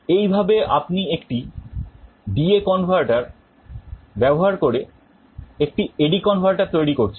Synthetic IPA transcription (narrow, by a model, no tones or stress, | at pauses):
ejbʱabeʔa̰pniekʈi | ɖiekɔnfaɾʈaɾ | bɛboɦaɾkoɾe | ek̚ʈieɖikɔnfaɾʈaɾt̪ojɾikoɾt͡ɕʰen